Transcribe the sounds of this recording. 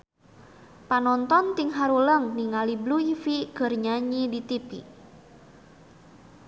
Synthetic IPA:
panɔnt̪ɔnt̪iŋɦaɾuləŋniŋalibluifiɡ̥ə̤rɲaɲidit̪ipḭ

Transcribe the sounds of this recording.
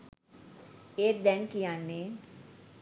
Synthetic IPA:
eːɾd̪ɛnkijanːe

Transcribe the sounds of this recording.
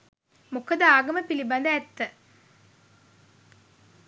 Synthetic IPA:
mukəd̪əaːɡɐməpiliband̪əæt̪ːə

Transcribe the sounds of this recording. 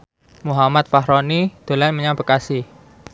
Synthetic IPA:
muɦamat̪̚faɦɾɔnid̪̥o̤lanməɲabəkasɪh

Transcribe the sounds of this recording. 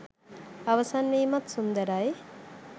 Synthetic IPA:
aʋɐsanːiːmat̪sund̪əɾaj

